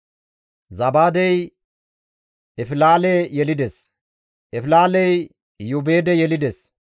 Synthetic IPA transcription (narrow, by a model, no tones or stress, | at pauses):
zɐbaːd̪ɛj | ɛfɪlaːlejɛlɪd̪ɛs | ʔɛfɪlaːlɛj | jʊbe̞ːd̪ɛjɛlɪd̪ɛs